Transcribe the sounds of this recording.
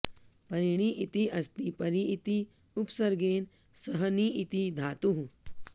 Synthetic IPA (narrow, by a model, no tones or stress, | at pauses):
pɐɾiɳ̃iʔit̪iʔɐst̪ipɐɾiːt̪i | upsɐɾɡeːn | səɦəniit̪id̪ʱaːt̪uɦu